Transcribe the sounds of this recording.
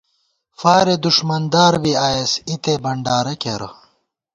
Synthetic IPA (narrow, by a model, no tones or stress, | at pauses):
faːɾed̪uʂmɐnd̪aːɾbiaːjesit̪ebɐɳɖaːɾɐkeɾɐ̰